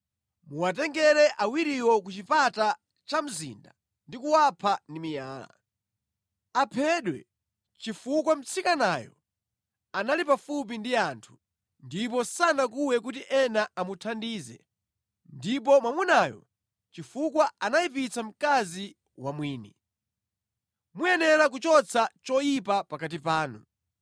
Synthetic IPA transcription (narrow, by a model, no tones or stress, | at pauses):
muwatɛŋɡɛɾɛʔawiɾiwɔk̬ut͡ʃipata | t͡ʃam̩zḭnda | ndikuwapʰandimijaːla̰ | apʰɛɗwɛ̰ | t͡ʃifukwam̩t͡sʰikanaːjɔ̰ | analipafup̬indiaːntʰu̥ | ndipɔsanak̬uwɛk̬utiʔɛnaamutʰandiːzɛ̰ | ndip̬ɔmwamwɛnaːjɔ̰ | t͡ʃifukwaanajipit͡sʰam̩kazi | wamwiːnɛ | mujɛnɛlak̬ut͡ʃɔt͡sʰat͡ʃɔjipapakat̬ipaːnṵ